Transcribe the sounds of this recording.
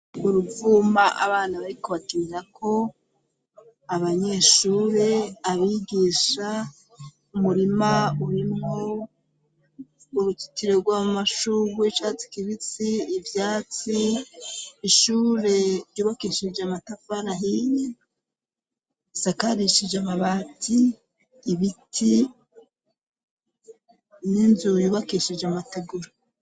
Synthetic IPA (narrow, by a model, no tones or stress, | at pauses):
uɾuvumaʔa̰βaːnaβaɾiko̞βatimiɾakʰo̞ | aβaɲe̞ʃuːɾe̞aβiɡiːʃa | umuɾimauɾimŋo | uɾuti̥tiɾe̞ɾɡwaːmaʃuɾwet͡ʃat͡si̥kiβit͡siːvjaːt͡siː | ʃuːɾe̞ɾjuːβakiːʃid͡ʒeamatafaɾaɦiji | isakaɾiʃid͡ʒeamaβaːtʰiː | βitʰi | ninzujuːβakiʃid͡ʒeamateɡuɾo